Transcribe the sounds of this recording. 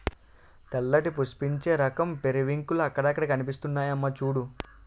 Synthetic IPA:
t̪ɐlːɐʈipuspiɲt͡ʃe̞ːɾɐkɐmpeɾiʋiŋkuluɐkːɐɽɐkːɐɽɐkɐnipist̪unːaːjɐmːɐt͡ʃuːɽu

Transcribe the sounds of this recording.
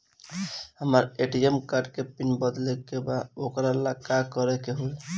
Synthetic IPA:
həməɾeʈiemkaɾɖkepinbəd̪lekebad̪okɾalakakəɾɛkeɦol

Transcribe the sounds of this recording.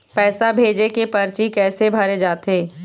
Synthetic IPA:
pɛːsabʱeːd͡ʒekepɐɾt͡ʃikɛːsebʱɐɾed͡ʒaːt̪eː

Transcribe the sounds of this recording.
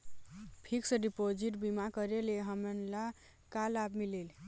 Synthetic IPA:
pʰiksəɖipod͡ʒiʈbimakʌɾeleɦəmənla | kalabmilel

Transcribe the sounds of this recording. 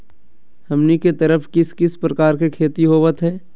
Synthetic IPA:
hɐmniket̪ɐɾəfkɪskɪspɾɐkaːɾkekʰeːt̪iɦoːʋət̪ɦɛː

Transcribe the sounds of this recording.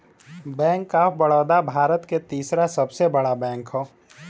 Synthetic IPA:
bɛ̃ːŋkːabəɽɔːd̪abʱaːɾət̪ket̪iːsɾasɐbsebəɽabɛ̃ːŋkɦoː

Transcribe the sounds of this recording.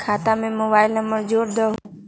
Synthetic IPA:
kʰaːt̪ãmẽmoːbaːɪlnəmbəɾd͡ʒoːɽd̪ə

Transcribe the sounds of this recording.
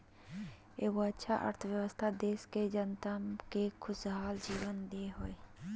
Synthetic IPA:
eːʋoətːʃʰaʔə̰ɾt̪ʰəʋjəwəst̪ʰad̪eːʃked͡ʒənt̪əmkekʰʊsɦaːld͡ʒiːwənd̪eeɦoːe

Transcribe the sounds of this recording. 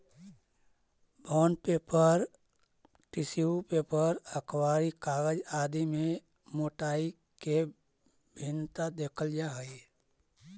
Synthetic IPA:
bʱɔːnpepəɾ | ʈisiupepəɾəkʰwaːɾikaːɡəd͡ʒaːd̪imẽ | moːʈaːi | ke | bʱɪnt̪ad̪eːkʰəld͡ʒaɦə

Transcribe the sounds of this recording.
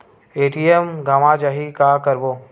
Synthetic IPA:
eːʈiemɡaːmad͡ʒaɦikakəɾboː

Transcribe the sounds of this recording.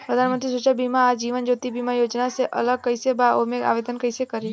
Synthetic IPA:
pɾəd̪ʱanmənt̪ɾisut͡ʃabʱimãːd͡ʒiʋənd͡ʒot̪ibʱimãjod͡ʒnaseʔə̰ləɡ̚kəjsebaomea̰ʋed̪ənkəjsekəɾi

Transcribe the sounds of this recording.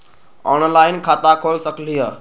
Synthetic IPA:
ɔːnlaːɪnkʰaːt̪akʰoːlsəkʰliːɦaː

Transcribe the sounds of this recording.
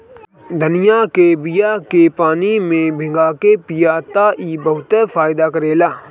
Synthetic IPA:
d̪ʱənɪjakebɪjakepaːnimẽbʱɪ̃ŋɡaːkepijat̪aʔiːbəɦʊt̪əfʰaːjd̪akəɾeːlaː

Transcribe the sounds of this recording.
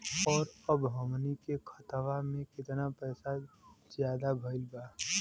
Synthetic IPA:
ɔːɾəbɦəmnikekʰət̪ʋamẽkɪt̪napɛːsazjaːd̪abʱəɪlbaː

